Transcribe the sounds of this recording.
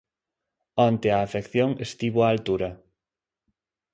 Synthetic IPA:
ɔnt̪eaːfekθjoŋest̪iβoaːlt̪uɾɐ

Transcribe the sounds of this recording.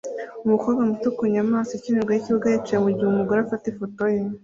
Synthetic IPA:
umukoβamutukuɲamaːsoecineɾɡwajiciβuɡajet͡ʃijemuɟihumuɡoɾafatefotoje

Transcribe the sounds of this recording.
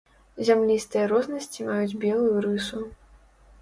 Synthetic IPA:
zʲamlʲist̪ɨjɐɾɔznɐsʲt͡sʲimajud͡zʲbʲɛlˠujuɾɨsu

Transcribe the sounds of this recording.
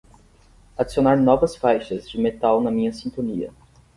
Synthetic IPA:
ad͡ʒisionaɾnɔvɐsfajʃɐzd͡ʒɪmet̪awnɐmĩɲɐsĩnt̪õniɐ̰

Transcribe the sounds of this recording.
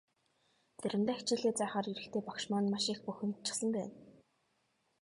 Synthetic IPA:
t͡sæɾʲɪ̆nt̪æːt͡ɕɪ̆ːɮeːt͡sæːχaːriɾɘ̆kt̪ʰeːpɔkʃmɔːnmaʃiːxpuxʲɘ̆nt͡ɕɪ̥̆sə̆mpæ̰ːn

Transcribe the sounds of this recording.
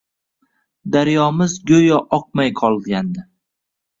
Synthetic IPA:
d̪aɾjɒmɪzɡʲɵjɒʔɒq̚majqʰɒlˠɡʲand̪ɪ

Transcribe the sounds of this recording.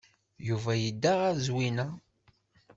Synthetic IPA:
juvæjəd̪ːaʁæzwinæ

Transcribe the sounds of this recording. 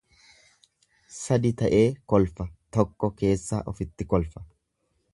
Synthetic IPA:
sɐd̪ɪt̪ɐʔe̞ːkɔlfɐt̪ɔkːɔke̞ːsːa̰ːʔɔfɪt̪ːɪkɔlfɐ̥

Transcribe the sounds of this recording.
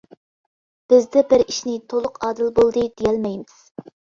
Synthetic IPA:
b̥ɪzd̪ɛbɪɾiʃnɪt̪ʰolˠʊqɑːd̪ɪlbolˠd̪ɨd̪̥ejɛlmɛjmɪz̥

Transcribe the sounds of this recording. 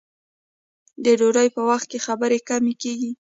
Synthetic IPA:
d̪əɖoɾajpəwaxt̪̚kexabəɾekamekeɡi

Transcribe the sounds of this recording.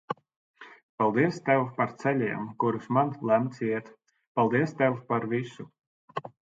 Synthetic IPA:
palˠd̪iɛst̪ɛwpaɾt̪sɛlʲiɛmkuɾusmanlˠæmt̪siɛt̪ | palˠd̪iɛst̪ɛwpaɾvisu

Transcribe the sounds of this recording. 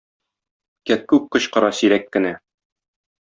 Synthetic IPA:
kæk̚kʉp̚qɤ̆ɕqɤ̆ɾɑsiɾækːɘ̆næ

